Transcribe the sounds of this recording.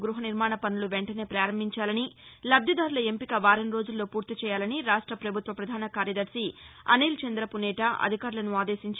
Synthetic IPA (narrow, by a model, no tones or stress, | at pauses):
ɡɾuɦɐniɾmaːɳɐpɐnuluʋeɳʈɐne̞ːpɾaːɾɐmbʱiɲt͡ʃaːlɐnilɐb̪jɐd̪aːɾulɐempikɐʋaːɾɐnɾo̞ːd͡ʒulːo̞ːpuːɾt̪it͡ʃɛːjaːlɐniɾaːʂʈɾɐpɾɐbʱut̪ʋɐpɾɐd̪ʱaːnɐkaːɾjɐd̪ɐɾsiɐ̰neːlt͡ʃend̪ɾɐpunɛːʈɐʔɐ̰d̪ʱikaːɾulɐnuaːd̪e̞ːsiɲt͡ʃ